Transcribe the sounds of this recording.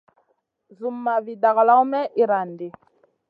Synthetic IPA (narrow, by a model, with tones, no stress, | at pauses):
zu˨mːa˨vi˨da˨ɣla˦u˦mɛ˦ʔi˨ɾa˨nde˨